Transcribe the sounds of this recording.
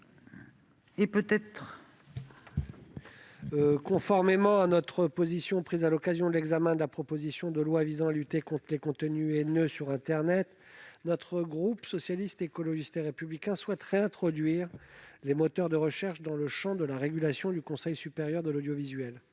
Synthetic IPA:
epøt̪ɛt̪χ | kɔ̃fɔʁmemɑ̃anɔt̪χəpozisjɔ̃pχizalɔkazjɔ̃d̪əlɛɡzamɛ̃d̪əlapχɔpozisjɔ̃d̪əlwavizɑ̃alyt̪ekɔ̃t̪χəlekɔ̃t̪ənyenøsyʁɛ̃t̪ɛʁnɛt̪ | nɔt̪χəɡʁupsɔsjalist̪ekɔlɔʒist̪eʁepyblikʲɛ̃swɛt̪ʁeɛ̃t̪χɔd̪ɥiʁlemɔt̪œʁd̪əʁəʃɛʁʃd̪ɑ̃ləʃɑ̃d̪əlaʁeɡʲylasjɔ̃d̪ykɔ̃sɛjsypeʁjœʁd̪əlod̪jɔvizɥɛl

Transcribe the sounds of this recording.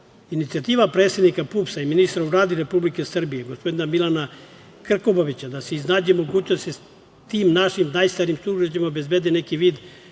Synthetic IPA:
init̪siat̪iːʋapɾe̞ːt̪sje̞d̪nikapupsaiminist̪ɾovɾaːd̪iɾepublikesr̩bijeɡospo̞d̪inamilˠana | kr̩koboʋit͡ɕad̪aseiznaːd͡ʑemo̞ɡuːt͡ɕnost̪e | t̪iːmnaʃimnajst̪aɾimsuʒet͡ɕemaobe̞zbed̪ene̞kiʋiːd̪

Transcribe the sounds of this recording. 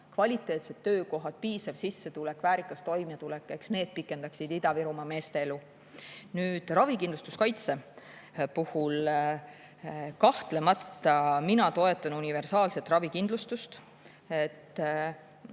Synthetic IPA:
kvɑlʲit̪ːˑe̞ːt̪se̞t̪ːø̞ːko̞ɦɑd̪̥piːsɑvsisːe̞t̪ulekːvæːɾikːˑɑst̪o̞jmet̪ulɛkːˑe̞ksne̞ːd̪̥̚pikːˑe̞nd̪ɑksid̪id̪̥ɑviɾumɑme̞ːst̪eelu | nyːd̪̥rɑvikind̪lust̪uskɑjt̪se̞ | puhul | kɑht̪le̞mɑt̪ːɑminɑt̪o̞e̞t̪ːˑɑnunive̞rsɑːlse̞t̪rɑvikind̪lust̪ust̪ | et̪ːˑ

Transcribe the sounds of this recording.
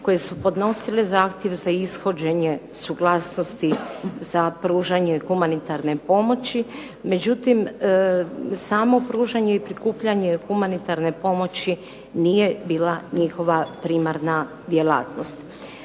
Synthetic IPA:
ko̞jesupo̞d̪no̞silezaːxt̪je̞ʋzaisxo̞d͡ʑe̞ɲe̞suɡlˠaːsnost̪izapɾuːʒaɲexumanit̪aɾne̞po̞mo̞t͡ɕi | me̞d͡ʑut̪im | saːmo̞pɾuːʒaɲeipɾikuːpʎaɲe̞xumanit̪aɾne̞po̞mo̞t͡ɕi | nije̞biːlaɲixo̞ʋapɾiːmaɾna | d̪jela̰ːt̪no̞st̪

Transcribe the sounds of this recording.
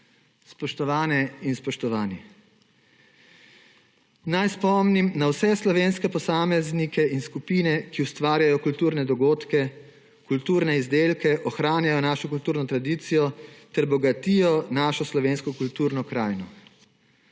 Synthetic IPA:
spɔʃt̪ɔʋaːnɛinspɔʃt̪ɔʋaːni | najspɔmnimnawsɛslɔʋeːnskɛpɔsaːmɛznikɛinskupiːnɛkiust̪ʋaːɾjajɔkult̪uːɾnɛd̪ɔɡoːt̪kɛ | kult̪uːɾnɛizd̪eːlkɛʔɔxɾaːnjajɔnaːʃɔkult̪uːɾnɔt̪ɾad̪iːt̪sijɔt̪ɛɾbɔɡat̪iːjɔnaːʃɔslɔʋeːnskɔkult̪uːɾnɔkɾaːjnɔ

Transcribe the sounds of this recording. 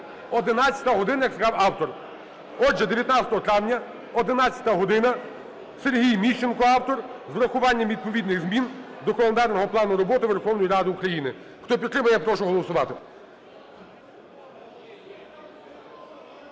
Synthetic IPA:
ɔd̪ɪnɑt͡sʲɐ̥t̪ɐɦɔd̪ɪnɐjɐklkɑwɑwt̪ɔr | ɔʒɛd̪eʋʲjɐt̪nɑt͡sʲɐt̪ɔɦɔt̪ɾɑwnʲɐ | ɔd̪ɪnɑt͡sʲɐt̪ɐɦɔd̪ɪnɐ | serɦʲijmʲit͡ʃenkɔɑwt̪ɔrzɾɐxʊʋɑnʲːɐmʋʲid̪̚pɔʋʲid̪nɪɣzmʲind̪ɔkɔlˠend̪ɑrnɔɦɔplˠɑnʊɾɔbɔt̪ɪʋerxɔwnɔjiɾɑd̪ɪukɾɐjinɪ | xt̪ɔpʲit̪ːɾɪmɐjɛpɾɔʃʊɦɔlˠɔsʊʋɑt̪ɪ

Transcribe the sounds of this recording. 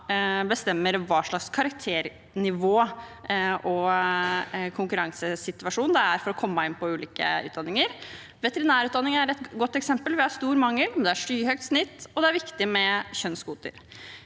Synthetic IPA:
bəst̪ɛmːəɾʋɑːʂɭɑkskʰɑɾɑkt̪ʰeːɾ | nɪʋoː | ʔɔ | kʰʊŋkʉɾɑŋsəsɪt̪ʉɑʂuːnd̪ɛæɾfɔɾɔkʰɔmːɑɪnpʰɔʉːliːkə̰ʉ̰ːt̪d̪ɑnːɪŋəɾ | ʋɛt̪əɾɪnæːɾʉːt̪d̪ɑnːɪŋæɾɛt̪ɡɔt̪ːɛksɛmpəlʋɪhɑɾst̪uːɾmɑŋːəlmd̪ɛæʂyːhœɡ̚t̪snɪt̪ːɔd̪ɛæɾʋɪkt̪ɪmɛçœnskuːt̪ə̰ɾ

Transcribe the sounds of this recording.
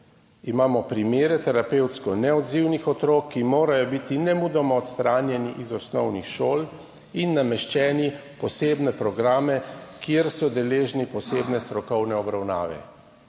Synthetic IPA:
imaːmɔpɾimeːɾɛt̪ɛɾapeːwt̪skɔnɛɔd̪ziwnixɔt̪ɾoːkʰːimoːɾajɔbit̪inɛmud̪ɔmɔɔt̪st̪ɾaːnjɛniʔizɔsnɔwnixʃoːl | inːamɛʃt͡ʃɛːnipɔseːbnɛpɾɔɡɾaːmɛkjeɾsɔd̪ɛleːʒnipɔseːbnɛst̪ɾɔkɔwnɛɔbɾawna̰ːʋɛ̰

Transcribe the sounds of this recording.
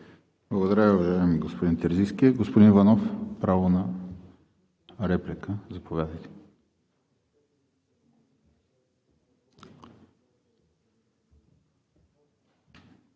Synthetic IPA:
blˠɐɡod̪ɐɾaiuvɐʒaɛmiɡospod̪int̪ɛɾziskiɛɡospod̪invɐnofpɾavonɐ | ɾɛplikəzɐpovʲad̪əjt̪ɛ̥

